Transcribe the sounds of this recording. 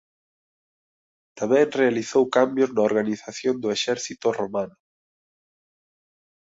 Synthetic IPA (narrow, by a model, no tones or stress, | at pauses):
t̪amɛ̃ŋrealiθowkambjʊznaoɾɣaniθaθjond̪ʊeʃɛɾθit̪ʊromanʊ